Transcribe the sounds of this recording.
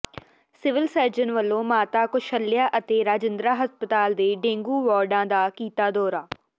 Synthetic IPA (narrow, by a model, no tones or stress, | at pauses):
sɪʋɪlsəɾd͡ʒənʋəlːõːmaːt̪aːkʊʃəlːɪjaːʔət̪eːɾaːd͡ʒɪnd̪ɾaːɦəspət̪aːld̪eːɖẽːŋɡuːʋɔːɾɖãːd̪aːkiːt̪aːd̪ɔːɾaː